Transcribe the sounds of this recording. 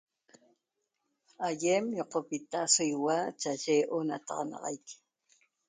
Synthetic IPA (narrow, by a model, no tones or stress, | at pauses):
ajemjoqopit̪aʔsojwat͡ʃat͡ʃeːʔonat̪ɑ̰ʁɑnɑ̰ʁɑ̰jk